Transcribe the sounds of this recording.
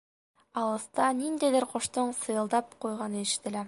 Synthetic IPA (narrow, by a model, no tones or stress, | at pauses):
ɑlˠɤ̆st̪ɑnind̪æjðɘɾqŏʃt̪ɤɴsɤ̆jɤ̆lˠd̪ɑp̚qujʁɑnɤɘ̆ʃɘ̥̆t̪ɘ̆læ